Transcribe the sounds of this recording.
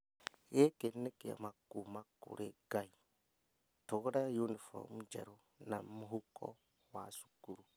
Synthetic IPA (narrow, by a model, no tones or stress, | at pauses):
jekenːekija̰makːumakːṵɾeɡai | toɡɾajunifo̰ɾmud͡ʒḛɾo | namːuɦukːo̰ | wasu̥ɡuɾu